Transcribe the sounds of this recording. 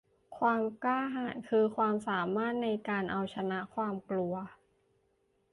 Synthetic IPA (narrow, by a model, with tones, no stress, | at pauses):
kʰwaː˧mklaː˥˩ɦaː˩˦nkʰɯː˧kʰwaː˧msaː˩˦maː˥˩t̪̚na˧jkaː˧nʔa˧wt͡ɕʰa˧na˦˥ʔkʰwaː˧mklu˧ɐ